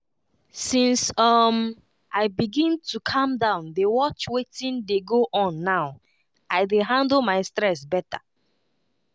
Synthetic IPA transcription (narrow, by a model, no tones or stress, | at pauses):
sĩnsʌm | ʔaɪbiɡĩntʰukʰʌ̃mdãʊ̃ndewɔt͡ʃwetĩndeɡoʔɔ̃nːaʊ | aɪdeɦãndlmaɪstɹɛsbɛtʰa̰